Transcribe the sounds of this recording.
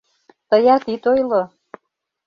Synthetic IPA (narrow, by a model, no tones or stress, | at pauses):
t̪əjɑt̪it̪ojlo